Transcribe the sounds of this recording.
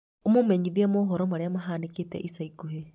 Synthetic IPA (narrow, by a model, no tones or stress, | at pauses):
omumeɲiðjamoɦoɾomaɾeamaɦaːnikitḛʔisaiɡuɦe